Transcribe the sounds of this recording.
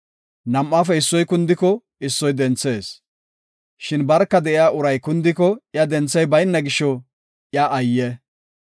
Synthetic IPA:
nɐmːafɛɪsːɔjkʊnd̪ɪkɔ | ɪsːɔjd̪ɛnt͡sːe̞ːs | ʃɪnbɐɾkːɐd̪ɛʔɪjaːʔʊɾɐjkʊnd̪ɪkɔjɐd̪ɛnt͡sːɛjbɐjnːɐɡɪʃɔ | ʔjaʔɐjːɛ

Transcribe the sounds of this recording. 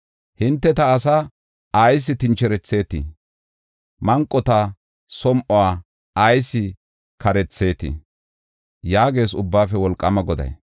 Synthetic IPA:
hɪnt̪ːɛt̪ɐːsɐ | ɐjs̬ɪt̪ɪnt͡ʃːɛɾɛt͡sːe̞ːt̪ɪ̰ | mɐŋkʼːɔt̪ɐ | sɔmʔɔwaː | ɐjsɪ | kʰɐɾɛt͡sːe̞ːt̪ɪ̰ | jaːɡe̞ːsʊbːaːfɛwɔlkʼːɐmɐɡɔd̪ɐ̰j

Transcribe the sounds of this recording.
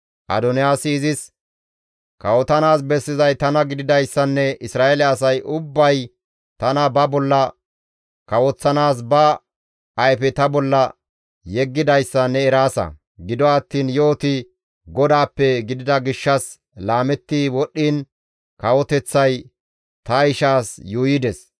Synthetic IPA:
ʔɐ̰d̪ɔnɪjaːsɪːzɪs | kɐwɔt̪ɐnaːsbɛsːɪzɐjt̪ɐnɐɡɪd̪ɪd̪ɐjsːɐnːɛɪsɾaːelɪɐsɐjʔʊbːɐj | t̪ɐnɐbɐbɔlːɐ | kɐwɔt͡sːɐnaːs̬bɐ | ɐjfɛt̪ɐbɔlːɐ | jɛɡːɪd̪ɐjsːɐnɛːɾaːsɐ̰ | ɡɪd̪ɔɐt̪ːiːnjo̞ːt̪ɪ | ɡɔd̪aːpːɛɡɪd̪ɪd̪ɐɡɪʃːɐs | laːmɛt̪ːiwɔɗːiːn | kɐwɔt̪ɛt͡sːɐj | t̪ɐɪʃaːsjuːjɪd̪ɛs

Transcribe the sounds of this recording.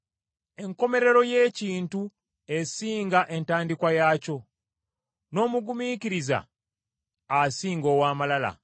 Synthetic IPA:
e̞ŋko̞me̞ɾe̞ɾo̞je̞ːciːntu | e̞siːŋɡaʔe̞ntaːndikwajaco̞ | no̞ːmuɡumiciɾiza̰ | siːŋɡo̞ːwaːmalala̰

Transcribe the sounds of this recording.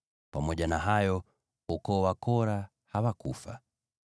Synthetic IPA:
pamɔʄanaɦajɔ | ukɔːwakɔɾa | hawakufa̰

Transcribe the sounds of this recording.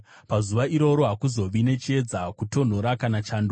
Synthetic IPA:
pazuʋaʔiɾo̞ɾo̞ɦakuzo̞ʋine̞t͡ʃe̞d͡zakuto̞n̤o̞ɾakanat͡ʃaːndo

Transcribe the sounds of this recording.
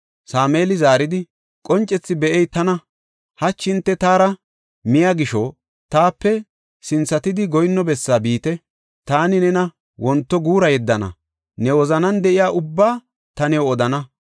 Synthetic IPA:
saːmeːlɪzaːɾɪd̪ɪ | kʼɔnt͡ʃʼːɛt͡sːɪbɛʔɛjt̪ɐnɐ | hɐt͡ʃːɪnt̪ːɛt̪aːɾɐ | mɪjaɡɪʃɔ | t̪aːpːɛ | sɪnsɐt̪ɪd̪ɪɡɔjnːɔbɛsːaːbiːt̪ɛ | t̪aːnɪnɛnɐ | wɔnt̪ːɔɡuːɾɐjɛd̪ːɐnɐ̰ | nɛwɔzɐnɐnd̪ɛʔɪjaːʔʊbːaː | t̪ɐnɛwɔd̪ɐnɐ

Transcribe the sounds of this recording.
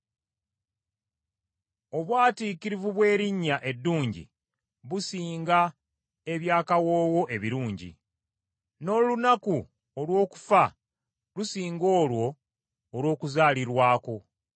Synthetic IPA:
o̞βwaːtiːkiɾivuβwe̞ːɾiɲːaʔe̞dːuːɲɟḭ | βusiːŋɡa | e̞βjaːkawo̞ːwo̞ʔe̞βiɾuːɲɟḭ | no̞lunaku | olwo̞ːku̥fa | lusiːŋɡo̞ːlwo̞ː | lwo̞ːkuzaːliɾwaːko̞

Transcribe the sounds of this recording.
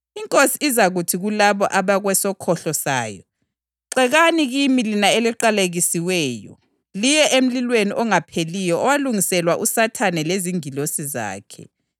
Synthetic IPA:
iŋkʼosiːzaɣutʰiɣulaβɔʔaβaɣwɛsɔkʰɔɬɔsa̰ːjɔ̰ | ǀɛɣaniɣimilinaeliǃaleɣisiwɛːjɔ̰ | lijɛʔem̩lilweniʔɔŋapʰelijɔɔwaluŋisɛlwaʔusatʰanɛleziŋilosiza̰ːkʰɛ̰

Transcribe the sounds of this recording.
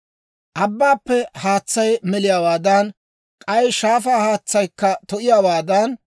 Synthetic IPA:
ʔɐbːaːpːɛhaːt͡sːɐjmɛlɪjaːwaːd̪ɐn | kʼɐjʃaːfaːhaːt͡sːɐjkːɐt̪ɔʔɪjaːwaːd̪ɐn

